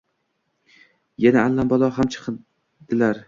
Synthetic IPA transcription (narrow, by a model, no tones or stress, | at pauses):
janaːlːambɒlˠɒɦamt͡ʃʰɨ̥qʰɨ | d̪̥ɪlaɾ